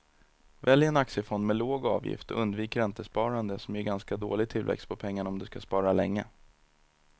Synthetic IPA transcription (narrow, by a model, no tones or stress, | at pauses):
vɛljəɾɛnaksjəfɔnd̪mɛloːɡɑ̰ːvjɪ̰ft̪ɔɵnd̪viːkəɾɛnt̪əspɑːɾand̪əsɔmjɵɡanskad̪o̰ːlɪɡt̪ʰɪlvɛ̰kst̪̚pʰɔpʰɛŋːaɳaɔmd̪ɵskaspɑːɾalɛŋːə